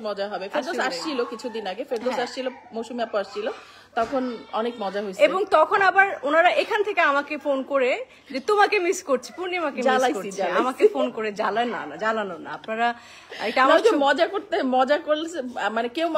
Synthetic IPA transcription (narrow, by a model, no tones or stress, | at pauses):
mɔd͡ʑaɦɔbefeɾd̪oaʃt͡ɕʰilokit͡ɕʰud̪inaɡefeɾd̪osaʃt͡ʃʰilomoʃumeapoaʃʰilo | t̪ɔkʰonɔnekmɔd͡ʑaɦojt͡ɕeboŋt̪ɔkʰonabaɾonaɾaʔekʰanet̪ʰekeamakefonkoɾe | d͡ʑet̪omakemiskoɾt͡ɕʰipuɾnimakealaoɾd͡ʑaamakefonkoɾed͡ʑalaena̰nad͡ʑananona̰apnaɾa | ejʈaamakemɔd͡ʑakoɾt̪emɔd͡ʑakolmanekew